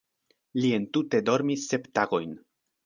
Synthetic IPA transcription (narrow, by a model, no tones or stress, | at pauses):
lie̞ntute̞do̞ɾmisːe̞ptaɡo̞jn